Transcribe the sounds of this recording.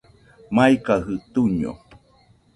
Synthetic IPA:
majkaɦɨt̪uɲo̰

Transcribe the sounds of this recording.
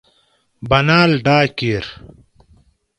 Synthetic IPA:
bɐnaːlɖaːkeːɾ

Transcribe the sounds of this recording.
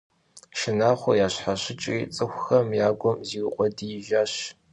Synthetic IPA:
ʃɪnaːχʷɔjaːɕħaɕɪt͡ʃʼiːt͡sʼɨxʷxɐmjaːɡʷɔmziːwqʷʼɔdiɪʒaːɕ

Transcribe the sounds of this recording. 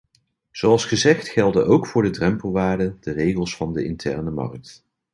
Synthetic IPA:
z̥oɑlˠsχəzɛχtχɛlˠdənʔowkfʊːɹdədrɛmpəlˠʋaːɹdədərejχəlˠsfɑndəɪ̰ntʰɛɹnəmɑ̰rk̚t

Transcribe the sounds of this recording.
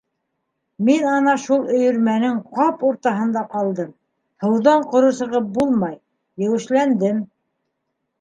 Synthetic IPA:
minɑnɑʃulˠɵ̆jɵ̆ɾmænɘŋqɑpuɾt̪ɑɦɤ̆nd̪ɑqɑlˠd̪ɤm | hɤ̆wðɑɴqŏɾŏsɤ̆ʁɤp̚bulˠmɑjː | ɘ̆wɘ̆ʃlænd̪ɘm

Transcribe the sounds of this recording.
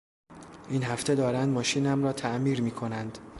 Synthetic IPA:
ʔiːnɦæft̪ʰe̞d̪ɒːɾænd̪mɒːʃiːnæmrɒːt̪ʰæʔmiːɾmiːkʰo̞nænd̪̥

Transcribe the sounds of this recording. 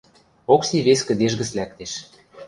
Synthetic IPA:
oksiβeskə̆d̪eʒɣə̆t͡slæk̚t̪eʃ

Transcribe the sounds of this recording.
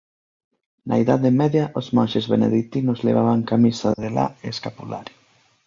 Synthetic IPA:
naiðaðemɛðjaʔozmonʃezβenḛðit̪inozlḛβ̞aβaŋkamisaðela̰eeskapula̰ɾji

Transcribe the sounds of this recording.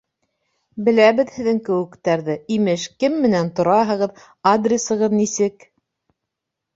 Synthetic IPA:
bɘ̆læβɘ̆ðhɘ̆ðɘŋkɘ̆wɘ̆kt̪æɾðɘimɘʃkɘmːɘ̆nænt̪ŏɾɑɦɤ̆ʁɤð | ad̪rʲesɤ̆ʁɤðnisɘk

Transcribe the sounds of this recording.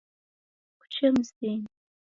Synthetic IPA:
kʷʰt͡ʃʰɨmzdeːn

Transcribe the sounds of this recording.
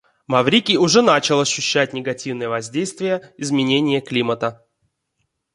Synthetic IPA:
mɐvɾʲikʲiʊʐɛnat͡ɕɪlˠɐɕːʉɕːætʲnʲɪɡɐtʲivnɨjəvɐzʲdʲejst̪vʲɪjəɪzmʲɪnʲenʲɪjəklʲimət̪ə

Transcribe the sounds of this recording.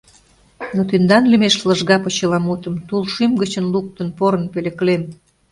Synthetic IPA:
not̪ynd̪ɑnlimeʃləʒɣɑpot͡ɕəlɑmut̪əmt̪ulʃymɡət͡ɕənluk̚t̪ənpoɾə̆npelĕklem

